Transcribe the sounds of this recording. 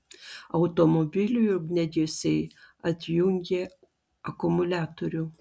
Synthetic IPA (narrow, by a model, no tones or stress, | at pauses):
ɐʊt̪omobʲɪlʲuɪɾɡnʲɛd̪ʲɪjosʲɛɪɐt̪ʲjʊŋʲɡʲe | ɐkʊmʊlʲæːt̪oɾʲʊ